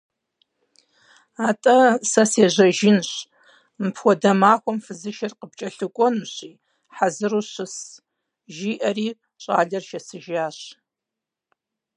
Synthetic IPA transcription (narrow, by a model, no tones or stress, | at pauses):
aːtʼɐsɐseːʑɐʒɪnɕ | mpʰxʷɔdɐmaːxʷɔmfɨzɨʃɐrqəb̚t͡ʃʼɐɬɨkʷʼɔnuɕiː | ħazɨɾuːɕɨs | ʒiːʔɐriː | ɕʼa̰ːɮɐrʃɐsɨʒaːɕ